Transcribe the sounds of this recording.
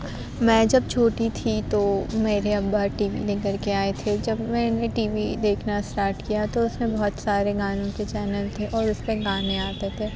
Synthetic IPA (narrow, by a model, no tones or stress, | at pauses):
mɛ̃ːd͡ʒɐb̚t͡ʃʰoːʈit̪ʰit̪omeːɾeɐbbaːʈiːʋḭneɡəɾkeaːet̪ʰed͡ʒɐbmɛ̃ːneʈiːʋid̪eːkʰnasʈaːɾʈkijat̪oʊsnebɔɦɔt̪saːɾeɡaːnõket͡ʃɛːnəlt̪ʰeʔɔːɾʊspeɡaːneaːt̪et̪ʰeː